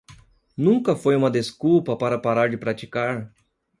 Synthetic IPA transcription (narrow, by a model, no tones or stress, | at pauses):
nũŋkɐfojũmɐd̪eskupɐpaɾɐpaɾaɾd͡ʒɪpɾat͡ʃikaɾ